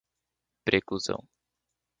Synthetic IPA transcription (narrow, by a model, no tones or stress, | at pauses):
pɾʔekluzɐ̰̃w̃